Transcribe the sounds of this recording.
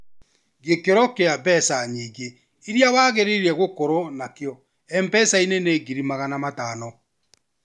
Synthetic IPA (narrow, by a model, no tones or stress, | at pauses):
ɣekeɾɔkeabɛsaɲiːɡe | iɾjawaɣeɾeɾiɛɣokoɾonakeɔ | ɛmbɛsaineneɡiɾimaɣanamataːnɔ